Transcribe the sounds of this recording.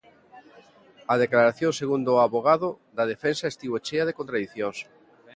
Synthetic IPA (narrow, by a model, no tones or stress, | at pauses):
að̞eklaɾaθjõŋseɣund̪oaβoɣ̞aðod̪að̞efensaest̪iβot͡ʃeaðekõnt̪ɾaðiθjoŋs